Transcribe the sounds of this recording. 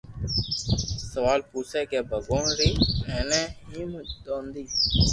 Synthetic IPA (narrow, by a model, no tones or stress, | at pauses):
səʋaːlpuːsʰɛkeːbʱəɡoːnɾiːmɛːneːɦiːmd̪oːnd̪iː